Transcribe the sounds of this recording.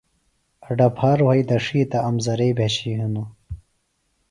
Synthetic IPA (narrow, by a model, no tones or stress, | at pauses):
ɐɖɐpʰaːɾuhɐjd̪ɐʂiːt̪ɐːmzɐɾeːbʱeɕiɦinu